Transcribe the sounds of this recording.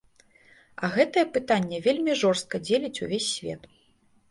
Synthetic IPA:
ɐɣɛt̪ɐjɛpɨt̪anʲːɛvʲelʲmʲiʐɔrst̪̚kɐd͡zʲelʲit͡sʲṵvʲesʲːvʲɛ̰t̪

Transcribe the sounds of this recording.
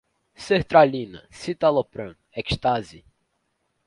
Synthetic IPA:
seht̪ɾalĩnɐ̰sit̪alopɾɐ̃nɛkʃt̪azi

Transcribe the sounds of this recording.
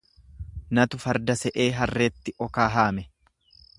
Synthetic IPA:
nɐt̪ʊfɐɾd̪ɐsɛʔeːɦɐrːe̞ːt̪ːɪʔɔkaːɦaːmɛ

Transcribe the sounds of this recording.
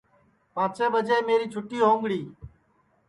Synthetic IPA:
pãːt͡ʃeːbəd͡ʒeːmeːɾiːt͡ʃʰʊʈiːɦõːŋɡɽiː

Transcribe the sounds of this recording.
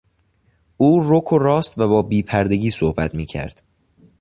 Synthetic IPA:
uːrokʰorɒːst̪væbɒːbiːpʰæɾd̪e̞ɟiːsohbæt̪ʰmiːcʰæ̰ɾd̪̥

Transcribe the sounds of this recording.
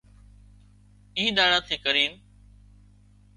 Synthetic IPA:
ĩːɗaːɽãːt̪ʰiːkəɾiːn

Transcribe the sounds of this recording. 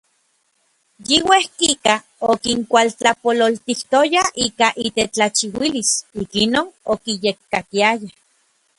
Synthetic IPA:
jiwehkika | okiŋkʷalt͡ɬapololt̪iht̪ojaikaʔit̪et͡ɬat͡ʃiwilisikinonokijekːat̪iaja

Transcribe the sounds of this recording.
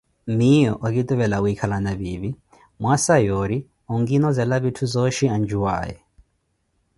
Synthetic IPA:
mijɔ̰ʔak̬it̪ʼuβɛlauikʰalanaβiβi | mwasajoɾi | ɔŋɡinɔzɛlaβitʰuzɔʃiand͡ʒuwa̰ːjɛ̰

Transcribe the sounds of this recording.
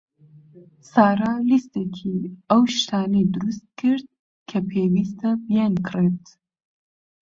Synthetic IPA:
saːɾalist̪ekʰiɐwʃt̪ʰaːnid̪ʊɾust̪̚kʰɨɾd̪̚ | kʰɐpʰeːwiːst̪ɐbijɛnkʰret̪

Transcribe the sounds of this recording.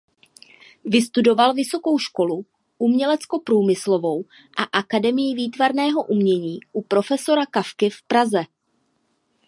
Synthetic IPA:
vɪst̪udo̞valvɪso̞ko̞wʃko̞lu | ʔumɲɛlɛt͡sko̞pɾuːmɪslo̞vo̞w | ʔaʔakadɛmɪjɪviːt̪vaɾnɛːɦo̞ʔumɲɛɲiːʔupɾo̞fɛso̞ɾakafkɪfpɾazɛ

